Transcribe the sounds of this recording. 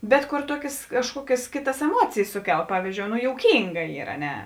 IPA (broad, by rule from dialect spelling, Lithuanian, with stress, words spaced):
bʲɛt koːr ˈtuɔkʲeːs kɐʃˈkuɔkʲeːs ˈkʲeːˌtɐs ɛˈmuɔt͡sʲeːjeːs ˈsʊˌkʲɛlˠ ˈpɑːʋʲiːzʲd͡ʒʲoːʊ noː joːʊˈkʲiːŋɡɐ ˈiːr ɐ ˈnʲɛ